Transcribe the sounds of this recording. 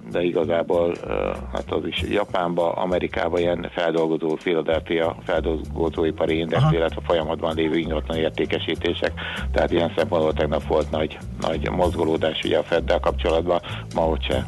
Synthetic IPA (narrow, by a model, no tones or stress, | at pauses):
d̪ɛiɡɒzaːboːlha̰ːt̪ɒziʃjɒpaːmbɒʔɒ̰mɛɾika̰ːbɒijɛnfɛld̪o̞lɡo̞zoːfilɒd̪ɛlfijɒfɛld̪olɡozoːipɒɾʔiind̪ɛksilːɛt̪ʋɛfo̞jɒmɒd̪bɒnleːvøːiŋɡɒt̪lɒneːrt̪eːkɛʃiːt̪eːʃɛkt̪ɛɦaːt̪iɛnsɛmpo̞nbolt̪ɛɡnɒpʋo̞lt̪nɒɟ | nʔɒ̰ɟmozɡoloːd̪aːʃṵɟɛ̰ɒfɛd̪ːɛlkɒpt͡ʃo̞lɒd̪bɒ | mɒɦocʃɛ̰